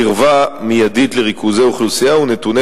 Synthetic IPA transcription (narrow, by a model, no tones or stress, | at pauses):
iʁvamijadit̪leʁikuzeuχlusijaunet̪une